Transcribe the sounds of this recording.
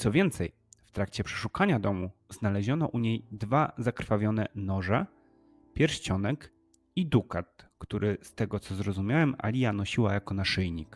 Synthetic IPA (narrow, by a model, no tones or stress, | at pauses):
t̪sɔvʲjɛnt̪sɛj | ft̪ɾakt͡ɕɛpʂɛ̥ʂukaɲad̪ɔmuznalɛʑɔnɔʔuɲejd̪vazakɾfavʲjɔnɛnɔʐɛ | pʲjɛɾɕt͡ɕɔnɛk | id̪ukat̪kt̪uɾʔɘst̪ɛɡɔt̪sɔzɾɔzumʲjawɛma̰lʲijanɔɕiwajakɔnaʂɘjɲik